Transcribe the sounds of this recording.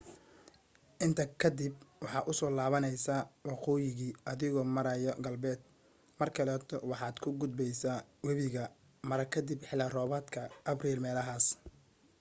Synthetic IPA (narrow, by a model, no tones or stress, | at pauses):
ʔɪnt̪ʰɐkʰɐd̪ɪbwɑħɑːʔʊsɔːlaːβɐnɛjsaːwɑqɔːjɪɣiːʔɐðɪɣɔːmɐɾɐjɔɡɐlbɛːd̪̚ | mɐrkʰɐlɛːt̪ʰɔwɑħɑːd̪kʰʊɡʊd̪̚bɛjsaːwɐβɪɣɐ | mɐɾɐkʰɐd̪ɪbħɪlɐrɔːβɐːd̪kʰɐʔɐbriːlmɛːlɐɦaːs